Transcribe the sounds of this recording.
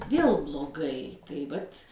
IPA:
ˈʋʲeːlˠ blˠoːˈɡɐɪ tɐɪ ˈʋɐtʲ

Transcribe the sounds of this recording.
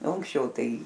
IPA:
oː ɐŋksʲˈt͡ʃʲɛʊ ˈtɐɪ

